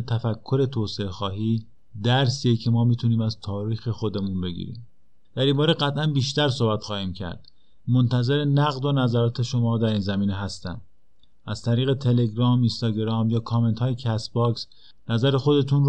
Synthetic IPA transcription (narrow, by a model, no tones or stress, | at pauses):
t̪ʰæfækʰːo̞ɾe̞t̪ʰoːseexɒːɦiː | d̪æɾsiecʰe̞mɒːmiːt̪ʰuniːmæzt̪ʰɒːɾiːxe̞xo̞d̪e̞munbe̞ɡḭːɾḭːm | d̪̥æɾiːmbɒːɾeɢæt̪ʰʔænbiːʃt̪æɾsobæt̪xɒːhiːmcʰæ̰ɾd̪̥ | mont̪ʰæzeɾe̞næɣd̪o̞næzæɾɒːt̪ʰe̞ʃo̞mɒːd̪æɾiːnzæmiːneɦæst̪æ̰m | ʔæz̥t̪ʰæɾiːɣe̞t̪ʰe̞le̞ɡɾɒːminst̪ɒːɡeɾɒːmjɒːkʰɒːme̞nt̪hɒːjecʰæsbɒːks | næzæɾexo̞d̪e̞t̪ʰun